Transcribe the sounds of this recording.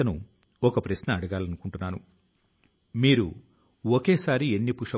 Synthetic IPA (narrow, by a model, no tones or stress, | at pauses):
ɐnṵ | ɔkɐpɾɐsnɐɐɽɐɡaːlɐnukuɳʈunːaːnṵ | miːɾṵ | ɔkeːsaːɾienːipuʂɐ